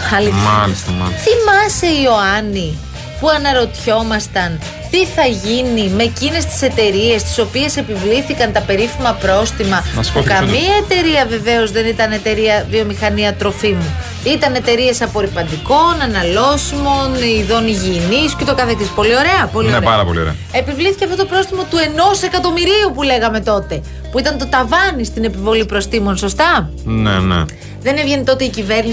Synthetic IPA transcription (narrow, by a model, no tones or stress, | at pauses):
ɐli | θimɐse̞io̞ɐni | puɐnɐɾo̞t̪ço̞mɐst̪ɐn | t̪iθɐʝinime̞cine̞st̪i̥se̞t̪e̞ɾie̞st̪i̥so̞pie̞se̞pivliθikɐnt̪ɐpe̞ɾifimɐpɾo̞st̪imɐpukɐmiɐet̪e̞ɾiɐve̞ve̞o̞zðe̞nit̪ɐne̞t̪e̞ɾiɐðio̞mixɐniɐt̪ɾo̞fimu | it̪ɐne̞t̪e̞ɾie̞sɐpo̞ɾipɐnd̪iko̞nɐnɐlo̞simo̞niðo̞niʝiniscet̪okɐθekt̪ispo̞lio̞ɾe̞ɐpoliopɐɾɐpolioɾḛ | e̞pivliθiceɐft̪o̞t̪opɾo̞st̪imɐt̪ue̞no̞se̞kɐt̪o̞miɾiupule̞ɣɐme̞t̪o̞t̪e̞ | puit̪ɐnt̪o̞t̪ɐvɐnist̪ine̞pivo̞lipɾo̞st̪imo̞nso̞st̪ɐnḛnḛ | ðe̞nevʝenit̪o̞t̪e̞icive̞ɾni